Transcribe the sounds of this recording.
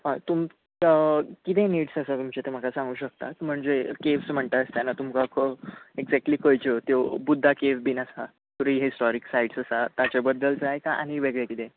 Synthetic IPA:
ɦãt̪um | kit̪eniːʈsəsat̪umt͡ɕet̪em̤əkasãŋɡuːɕək̚t̪a̰t̪m̤əɳd͡zekefsm̤əɳt̪ast̪janat̪umkakʰoeɡd͡zɛk̚ʈliːkojt͡ɕet̪jobud̪ʱːakefbinasa | t̪uɾiɦisʈɔɾiksajɽsəsat̪at͡ɕabəd̪ːəlt͡səajkaʔa̰ɽ̃iʋeɡɭekit̪ẽ

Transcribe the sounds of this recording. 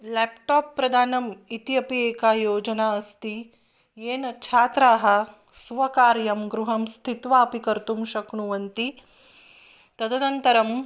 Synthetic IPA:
lɛːpʈaːpːɾɐd̪ʱaːnɐmit̪ijɐpieːkaːjoːd͡ʒɐnaːɐst̪i | jeːnɐt͡ʃʰaːt̪ɾaːɦɐ | sʋɐkaːɾjɐmɡɾuɦɐmst̪ʰit̪ʋaɐpikɐɾt̪umʃɐkɳuʋɐnt̪i | t̪ɐd̪ʰɐnɐnt̪ɐɾɐm

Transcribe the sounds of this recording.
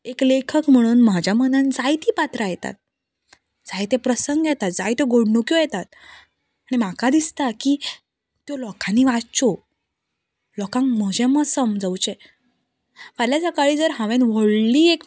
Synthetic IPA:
eklekʰəkm̤əɽ̃uːnmad͡ʑjamənənd͡zajt̪iːpat̪ɾajɛt̪a̰t̪̚ | d͡zajt̪epɾəsəŋɡjɛt̪at̪̚d͡zajt̪eɡoɽɳukjojɛt̪at̪ | aɽ̃imakad̪ist̪akiː | t̪jolɔkanːiʋaɾt͡ɕo | lɔkãŋkməd͡ʑẽməsəmd͡zəwt͡ɕe | ʋəljad͡zakaɭiːd͡zəɾɦãʋenʋəɽliːek

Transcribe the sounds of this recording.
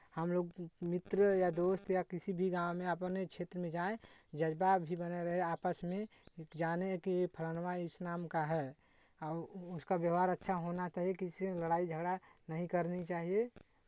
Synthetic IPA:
həmloːɡmɪt̪ɾəjad̪oːst̪jakisibʱiɡãmẽəpnet͡ʃʰeːt̪ɾəmẽd͡ʒaẽd͡ʒəd͡ʒbabʱibəneɾəɦɛaːpəsmẽd͡ʒaneɦkiepʰələnmaɪsnaːmkaɦɛ | ɔːʊskabjəɦaɾətːʃʰaɦonat͡ʃaɦiekisieləɽaːid͡ʒʱəɡɽanəɦĩkəɾnit͡ʃaːɦie

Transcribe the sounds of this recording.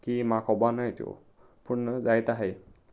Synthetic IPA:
kimakʰɔbanajtio̰ | pʰunːzajtaɦej

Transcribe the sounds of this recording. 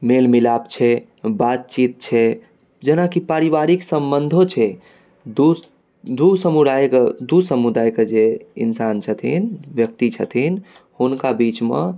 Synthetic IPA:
melmilapt͡ʃʰɛ | bat̪̚t͡ʃit̪̚t͡ʃʰɛ | d͡ʒenakipaɾibaɾiksəmbənd̪ʱot͡ʃʰɛ | d̪u | d̪usəmud̪ajked̪usəmud̪ajked͡ʒeḭnsant͡ʃʰət̪ʰḭnʋjək̚t̪it͡ʃʰə̰t̪ʰin | hunkabit͡ʃmḛ

